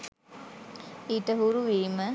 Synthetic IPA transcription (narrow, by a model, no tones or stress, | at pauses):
iːʈəɦuɾuʋiːmə